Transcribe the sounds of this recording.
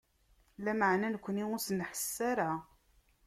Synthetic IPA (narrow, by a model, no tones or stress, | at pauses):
læməʕnænəkʷːəniʊɾsənħə̥sːaɾa